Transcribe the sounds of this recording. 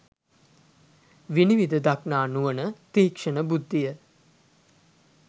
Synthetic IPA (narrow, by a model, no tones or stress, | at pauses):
ʋiniʋid̪əd̪aknaːnuʋənət̪iɦːkʂənəbud̪ːijə